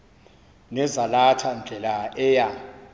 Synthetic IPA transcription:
nɛzalatʰand͡ɮʱɛlaɛːja

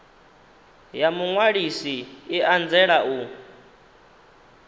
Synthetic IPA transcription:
jamuŋwaɺisiiʔand͡zɛɺaʔu

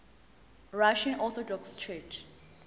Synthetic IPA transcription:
ɹaʃãnɔθɔdɔkst͡ʃʰɛt͡ʃ

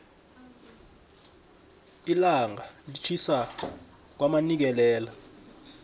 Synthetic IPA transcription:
ilaŋalit͡ʃʰisa | k̬wamanik̬ɛlɛːla

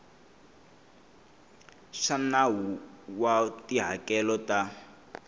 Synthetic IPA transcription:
ʂanaɦuwatiɦakɛlɔta

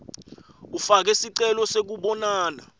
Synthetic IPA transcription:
ufak̬ɛsiǀɛlɔsek̬uɓɔnaːna̰

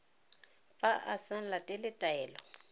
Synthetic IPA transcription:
pʼaʔasan̩latʼɛlɪtʼaɛːlɔ

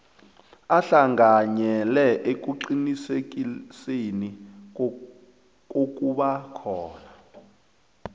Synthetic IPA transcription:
aɬaŋɡaɲɛlɛʔek̬ʼuǃinisek̬iseni | kʼok̬ʼuɓakʰɔːna

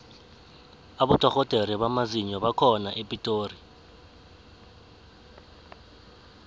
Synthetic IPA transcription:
aɓutʰʼɔxɔtʼeɾiβamaziɲɔβakʰɔnaʔepʼitʼoːri

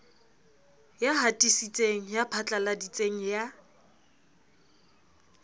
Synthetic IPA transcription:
jaɦatʼisit͡sʼeŋ̩japʰat͡ɬʼaladit͡sʼeŋ̩ja

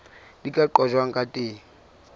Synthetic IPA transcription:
likʼaǃɔʒwaŋ̩kʼatʼeː

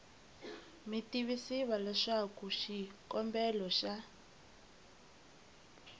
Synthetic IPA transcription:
mitiβisiβalɛʂakuʃikɔmbɛlɔʃa

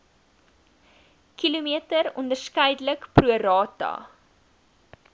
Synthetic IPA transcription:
kilumiətəɾɔ̰ndərskəjdələkpruəɾɑːtɐ̰

